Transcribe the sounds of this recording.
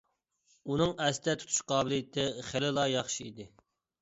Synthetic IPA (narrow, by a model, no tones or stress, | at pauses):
unɨŋɛst̪ʰɛt̪ʰu̥t̪ʰu̥ʃqʰɑːbɪlijɪt̪ʰɪχelɪlˠɑːjɑχʃiid̪ɪ